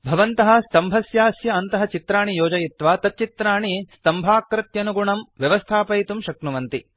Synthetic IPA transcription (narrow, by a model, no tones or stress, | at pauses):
bʱɐʋɐnt̪ɐɦɐ̆st̪ɐmbʱɐsjaːsjɐɐnt̪ɐɦɐ̆t͡ʃit̪ɾaːɳijoːd͡ʒɐjit̪ʋaːt̪ɐt̪̚t͡ʃit̪ɾaːɳist̪ɐmbʱaːkɾɐt̪jɐnuɡuɳɐmʋjɐʋɐst̪ʰaːpɐjt̪umʃɐknuʋɐnt̪i